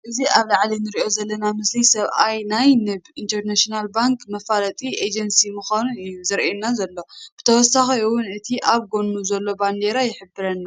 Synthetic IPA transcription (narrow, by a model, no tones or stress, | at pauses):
ʔɨziʔaβlaʕlinɨɾiʔo̞zɐlːɐnamɨslijsɐβʔajnajnɨβint̪ʰɐɾnaʃinalbaŋkʰmɐfalɐt̪ʼiʔed͡ʒɐnsimɨxanuɨjːuzɨɾʔenːazɐlːo̞b̥ɨt̪ʰɐwɔsːaxɐwʊnɨt̪ʰiʔaβɡo̞nːuzɐlːo̞band̪e̞ɾajɪħɨbːɨɾɐnːa